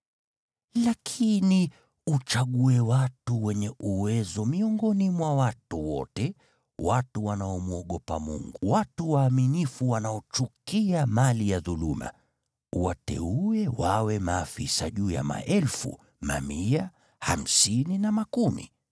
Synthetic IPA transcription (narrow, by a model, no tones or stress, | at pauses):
lakʰini | ut͡ʃaɠuɛwatuwɛɲɛʔuwɛzɔmiɔŋɡɔnimwawatuwɔ̰tɛ | watuwanaɔmuɔɠɔpa̰mṵŋɡuwatuwaːminifuwanaɔt͡ʃukiamalijaðuluma̰ | uwatɛ̰uɛwawɛmaːfḭsaʄuːja̰ma̰ʔɛlfṵ | ma̰mia | ha̰m̩sininamakumḭ